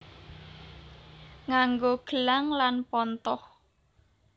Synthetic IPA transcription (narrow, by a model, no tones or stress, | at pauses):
ŋaŋɡoɡ̥əlaŋlanpɔnt̪ɔh